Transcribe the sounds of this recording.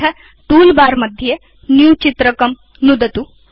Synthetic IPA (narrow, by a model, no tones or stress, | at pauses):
ɐ | ʈuːlbaːɾmɐd̪ʱje | njuːt͡ʃit̪ɾɐkɐm | nud̪ɐt̪u